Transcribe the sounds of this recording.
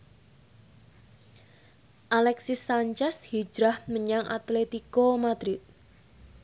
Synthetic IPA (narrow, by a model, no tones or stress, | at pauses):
ʔalɛksisaɲt͡ʃɛshi̥d͡ʒɾahməɲaŋʔa̰t̪let̪ikomad̪̥ɾɪt̪̚